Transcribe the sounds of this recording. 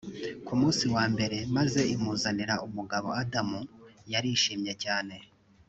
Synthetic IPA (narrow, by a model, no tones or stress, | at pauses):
kumuːnsiwaːmbe̞ɾe̞maze̞imuːzaniɾaumuɡaβo̞̰adamujaɾiʃiːmɲe̞caːne̞